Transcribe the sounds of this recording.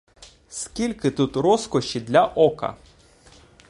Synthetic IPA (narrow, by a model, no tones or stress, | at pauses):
skʲilʲkɪt̪ut̪ɾɔskɔʃid̪lʲɐʔɔkɐ̰